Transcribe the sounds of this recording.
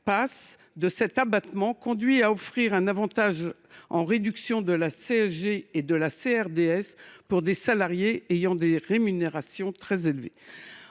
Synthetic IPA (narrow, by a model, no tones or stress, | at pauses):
pas | d̪əsɛt̪abat̪mɑ̃kɔ̃d̪ɥiaɔfχiʁɛ̃navɑ̃t̪aʒ | ɑ̃ʁed̪yksjɔ̃d̪əlaseɛʒeed̪əlaseɛʁd̪eɛspuʁd̪esalaʁjeːjɑ̃d̪eʁemyneʁasjɔ̃t̪χɛzelvḛ